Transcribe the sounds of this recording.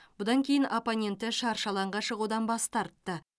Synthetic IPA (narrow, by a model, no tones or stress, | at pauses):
bʊd̪ɑŋkʲʰe̞jɪnʔoponʲe̞nt̪ɪʃɑɾʃɑlˠɑɴʁɑʃəʁud̪ɑnbɑst̪ɑɾt̪ːə